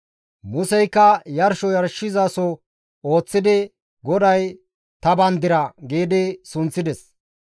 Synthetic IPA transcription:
mʊsɛjkːɐjɐɾʃɔjɐɾʃɪzɐsɔ | o̞ːt͡sːɪd̪ɪ | ɡɔd̪ɐj | t̪ɐbɐnd̪ɪɾɐɡiːd̪ɪsʊnt͡sːɪd̪ɛs

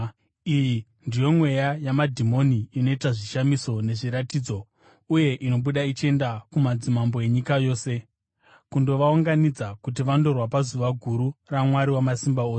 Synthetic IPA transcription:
iji | ndijo̞mwe̞jajamadʱimo̞niːno̞itaʐiʃamiso̞ne̞ʐiɾatiːd͡zo̞ | uje̞ʔino̞ɓuɗait͡ʃe̞ndakumad͡zimambo̞e̞ɲikajo̞ːse̞ | kundo̞ʋauŋɡanid͡zakut̬iʋando̞rwapazuʋaɡʱuɾuramwaɾiwamasimbaoːse

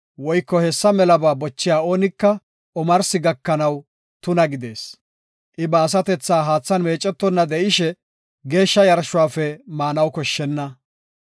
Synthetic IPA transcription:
wɔjkːɔhɛsːɐmɛlɐbaːbɔt͡ʃːɪjaːo̞ːnɪkːɐ | ʔɔmɐɾsɪɡɐkːɐnɐw | t̪ʊnɐɡɪd̪e̞ːs | ʔɪbɐːs̬ɐt̪ɛt͡sːaːɦaːt͡sːɐnme̞ːt͡ʃʼːɛt̪ːɔnːɐd̪ɛʔɪʃɛ | ɡe̞ːʃːɐjɐɾʃʊwaːfɛmaːnɐwkɔʃːɛnːɐ

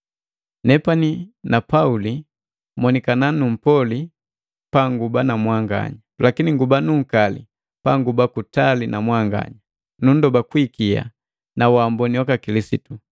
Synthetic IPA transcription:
nɛpaninapauli | mɔnikananum̩pɔli | paŋɡubanamwaŋɡa̰ɲalakiniŋɡubanuŋ̩kalḭ | paŋɡubakutalinʔamwaŋɡa̰ɲa | nun̩dɔbakwikia̰ | nawambɔniwakakilisitu

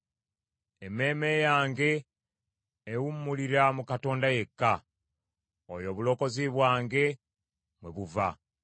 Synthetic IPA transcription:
eme̞ːmejaːŋɡe̞ | wumːuliɾamukato̞ːndaje̞kːa | ojo̞βulo̞ko̞ziβwaːŋɡe̞ | mweβuva̰

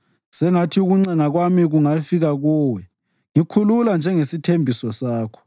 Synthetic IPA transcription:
sɛŋatʰiuɣuŋ͡ǀɛŋaɣwamiɣuŋafiɣaɣɔːwɛ | ŋikʰululand͡ʒʱɛŋesitʰembʱisɔsaːkʰɔ̥

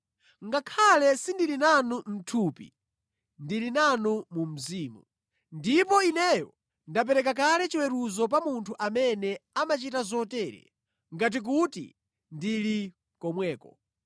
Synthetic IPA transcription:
ŋɡakʰalɛsindilinanum̩tʰupḭ | ndilinanumum̩ziːmu | ndip̬ɔinɛjɔ | ndap̬ɛɾɛk̬ak̬alɛt͡ʃiwɛɾuzɔp̬amuntʰuʔamɛnɛamat͡ʃitazɔtɛːɾɛ̰ | ŋɡat̬ik̬utḭ | ndili | kɔmwɛːkɔ

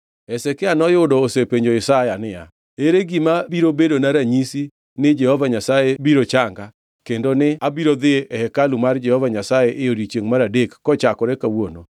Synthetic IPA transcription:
ɛsɛkɪanɔjodɔːsepeɲd͡ʒoɪsajanɪja̰ | eɾeɡimabiɾobedonaɾaɲisi | nɪd͡ʒɛhɔvaɲasajebiɾot͡ʃaŋɡa | kendonɪabiɾoðɪʔɛhɛkalumaɾd͡ʒɛhɔvaɲasajeʔːoɾit͡ʃeŋmaɾadekːɔt͡ʃakɔɾekawono

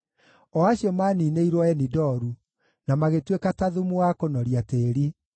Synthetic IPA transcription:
ɔaɕjɔmanineiɾwɔɛnidɔɾu | namaɣetwekataðumuakonɔɾiateːɾi

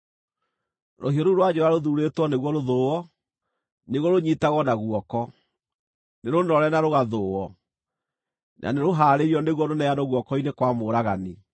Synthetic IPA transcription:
ɾohiɔɾuɾwad͡ʑɛɾaɾoðuɾetwɔneɣwɔɾoðoɔ | neɣɔɾoɲitaɣɔnaɣuwɔkɔ | neɾonɔɾɛnaɾoɣaðoːɔ | nʔa̰neɾoɦaːɾeɾiɔneɣwɔɾonɛanoɣwɔkɔinekwamoːɾaɣani

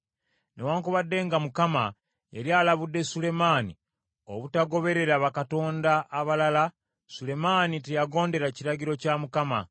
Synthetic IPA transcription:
newaːŋkuβadːe̞ŋɡamukama | jeɾialaβudːe̞sule̞maːnḭ | o̞̰βutaɡo̞βe̞ɾe̞ɾaβakato̞ːndaːβalala | sule̞maːnitejaɡo̞ːnde̞ɾaciɾaɟiɾo̞camukama̰

